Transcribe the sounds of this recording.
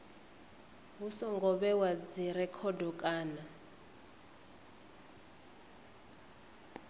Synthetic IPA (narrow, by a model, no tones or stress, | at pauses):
ɦusɔŋɡɔβɛwad͡ziɾɛkʰɔdɔkʼaːna